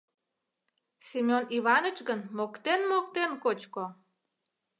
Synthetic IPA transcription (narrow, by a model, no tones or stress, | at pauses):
sʲimʲoniβɑnət͡ɕɣənmokt̪enmok̚t̪enkot͡ɕko